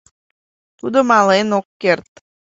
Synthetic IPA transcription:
t̪ud̪omɑlenokːert̪̚

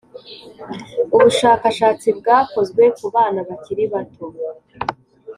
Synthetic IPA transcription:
uβuʃaːkaʃaːt͡sibɡaːko̞zɡwe̞kuβaːnaβaciɾiβatu

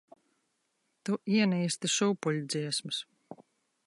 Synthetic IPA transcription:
t̪uʔiɛniːst̪iʃuːpulʲud̪ziɛsmɨs

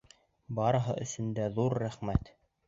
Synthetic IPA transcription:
bɑɾɤ̆ɦɤʔɵ̆sɵ̆nd̪æðuɾːæχmæt̪

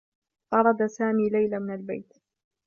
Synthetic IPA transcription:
ʔɑɾˤɑd̪asaːmiːlajlamɪnalba̰jt̪

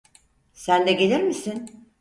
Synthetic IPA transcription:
sænd̪ɛɡelʲiɾmisin

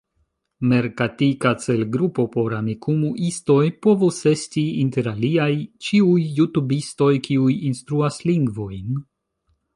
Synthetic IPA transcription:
me̞ɾkatikat͡se̞lɡɾupo̞po̞ɾamikumuʔisto̞jpo̞vuse̞stiinte̞ɾaliajt͡ʃiujːutubisto̞jkʰiujinstɾuasliŋɡvo̞jn

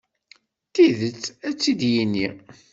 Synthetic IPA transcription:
t̪iðət͡sːæt͡sːid̪jinːi

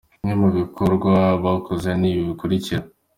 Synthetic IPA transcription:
imɲemuβikʰoɾɡwaβakʰozeniːβiβikuɾiciɾa

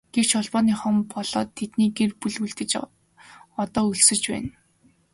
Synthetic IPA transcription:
ɡ̥ew̥t͡ɕɔɮpɔːniːχɔmpɔɮ̥ɔ̰ːt̪ʰːet̪niːɡerpuɮuɮt̪ɘ̆t͡ɕ | ɔt̪ɔːɵɮsɵ̆t͡ɕpæ̰ːn

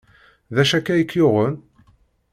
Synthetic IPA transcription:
ðæʃækːæjəkʰːjʊʁən

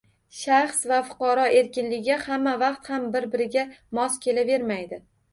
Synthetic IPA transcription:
ʃaχsvafʊ̥qʰɑɾɒʔe̞ɾkʲɪnlɪɡʲɪhamːavɑqt̪hambɪɾbɪɾɪɡʲamɒskʲʰe̞lave̞ɾmajd̪ɪ

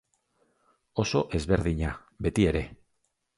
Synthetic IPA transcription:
o̞so̞ʔe̞zβe̞ɾðiɲa | be̞t̪ie̞ɾe̞

